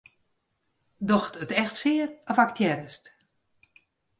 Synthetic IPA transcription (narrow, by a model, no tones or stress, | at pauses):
dɔxtətɛxtsɪːərɔfak̚tʰjɛɾəst